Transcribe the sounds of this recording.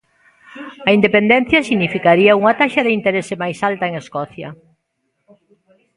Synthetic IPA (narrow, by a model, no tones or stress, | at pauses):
ɐind̪epend̪ɛn̟θjɐsiɣnifikaɾiɐuŋɐt̪aʃɐðɪint̪eɾesɪmajsalt̪ɐeŋeskɔθjɐ̰